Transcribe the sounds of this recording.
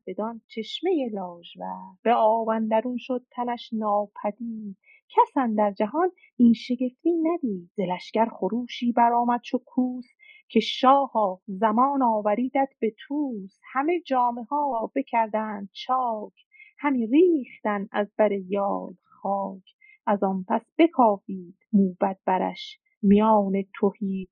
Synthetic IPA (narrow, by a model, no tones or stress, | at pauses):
b̥e̞d̪ɒːnt͡ʃʰeʃmejelɒːʒvæɾb̥eɒːvænd̪æɾunʃod̪̚t̪ʰænæʃnɒːpʰæd̪iːd̪̥ | cʰæsænd̪æɾd͡ʒæɦɒːn | iːnʃe̞ɡe̞ft̪iːnæd̪iːd̪ze̞læʃcæɾχoɾuːʃiːbæɾɒːmæd̪̥̚t͡ʃʰokʰuːs | kʰe̞ʃɒːhɒːzæmɒːnɒːvæɾiːd̪æd̪̥be̞t̪ʰuːshæme̞d͡ʒɒːme̞hɒːɾɒːbecʰæɾd̪æːnd̪̥̚t͡ʃʰɒːkʰ | hæmiriːχt̪ænæ̰zbæɾe̞jɒːl | χɒːcʰ | ʔæzɒnpʰæsb̥e̞kʰɒːfiːd̪̥muːbæd̪̥̚bæɾæ̰ʃ | mijɒːne̞t̪ʰohiː